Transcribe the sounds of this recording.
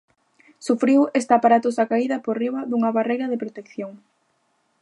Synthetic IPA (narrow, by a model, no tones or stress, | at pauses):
sufɾiwest̪apaɾat̪ʊsakaiðɐporiβɐðuŋɐβarejɾɐðɪpɾot̪ekθjoŋ